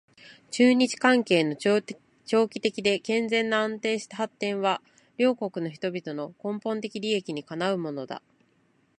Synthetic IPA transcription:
t͡ɕɨːɲ̟it͡ɕi̥kãŋke̞ːno̞ | t͡ɕo̞ːkʲi̥t̪e̞kʲid̪e̞kẽ̞nd͡zẽ̞nːaãnt̪e̞ːɕi̥t̪ahat̪ːẽ̞ɰ̃βa | ɾʲo̞ːko̞kɯ̟no̞çi̥t̪o̞bʲit̪o̞no̞kõ̞mpõ̞nt̪e̞kʲiɾʲie̞kʲiɲ̟ikanaɯ̟mo̞no̞d̪a̰

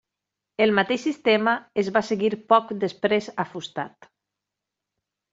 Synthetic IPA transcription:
elˠmat̪eʃsist̪emaezβaseɣiɾpɔkd̪espɾezafust̪at̪

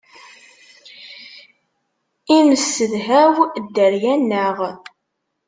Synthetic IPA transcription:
iməsːəðɦæwd̪ːəɾjænːəʁ

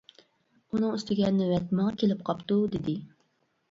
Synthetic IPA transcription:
unɨŋyst̪ɪɡʲɛnːɪwɛt̪mɑŋkʲʰelɪp̚qʰɑpt̪ud̪ɪd̪ɪ

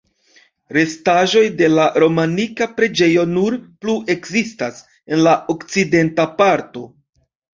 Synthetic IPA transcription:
ɾe̞staʒo̞jde̞laɾo̞manikapɾe̞d͡ʒe̞jo̞nuɾpluʔe̞kzistas | e̞nlaʔo̞kt͡side̞ntapaɾto̞

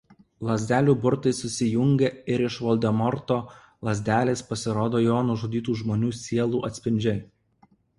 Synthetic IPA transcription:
lˠɐzʲd̪ʲæːlʲuːbʊɾt̪ɐɪsʊsʲɪjʊŋʲɡʲɛɪɾɪʃʋɔlʲd̪ʲɛmɔɾt̪oː | lˠɐzʲd̪ʲæːlʲeːspɐsʲɪɾoːd̪oːjoːnʊʒuːd̪ʲiːt̪uːʒmoːnʲuːsʲiɛlˠuːʔɐt̪ʲsʲpʲɪnʲd͡ʒʲɛ

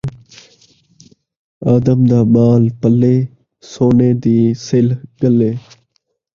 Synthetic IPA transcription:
aːd̪əmd̪aːmaːlpəleː | soːneːd̪iːsɪlɡəleː

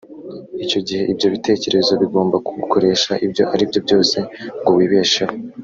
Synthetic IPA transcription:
ico̞ɟihe̞ʔibjo̞βite̞ːce̞ɾe̞zoβiɡo̞ːmbakukʰoɾe̞ːʃaʔibjo̞ʔaɾibjo̞bjo̞ːse̞ŋɡowiːβe̞ːʃewo

